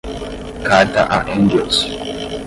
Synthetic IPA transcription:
kata̰ʔa̰ʔɛnɡɛls

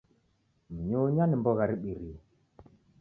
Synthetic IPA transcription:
m̩ɲuɲanimbɔɣaɾiɓiɾi

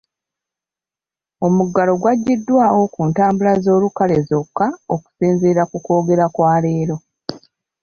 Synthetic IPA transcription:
o̞muɡːalo̞ɡwaɟːidːwaokuːntaːmbulazo̞ːlukale̞zo̞kːaoku̥seːnzeːɾakuko̞ːɡe̞ɾakwaːle̞ːɾo̞

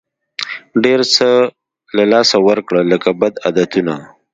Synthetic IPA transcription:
ɖeɾsə | lalɑsawəɾkɽələkabad̪ad̪at̪una

